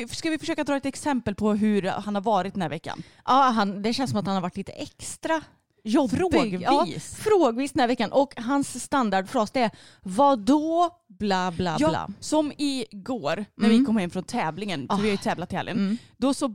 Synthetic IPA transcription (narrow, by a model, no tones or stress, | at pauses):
skavɪfœ̥ʂøːkad̪ɾɑːɛt̪ɛksɛmpəlpʰɔɦɵɾhanhaɾvɑːɾɪt̪d̪ənæɾvɛkːa̰n | ʔɑːɦand̪ɛɕɛnsɔmat̪hanhaɾvaʈʰːliːt̪ə̥̰ʔɛkst̪ɾa | ɔɾoɡɑisfɾoːɡviːsd̪ənhæɾvɛkːanʔɔkɦansːt̪and̪aɖfɾɔsd̪ɛɛ | vad̪ɔ | blɑːbla̰la̰sɔmɪɡoːɾnæɾvɪkʰɔmhɛmːfɾɔnt̪ʰɛːvlɪŋənfɔɾvɪhaɾjʏt̪ʰɛːvlat̪ʰːɛːvlɪ̰ŋənd̪ɔsɔ